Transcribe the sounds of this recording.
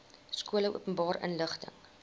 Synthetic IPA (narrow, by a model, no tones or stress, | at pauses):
skuələʔuəpənbɑːɾʔə̰nləχtə̰ŋ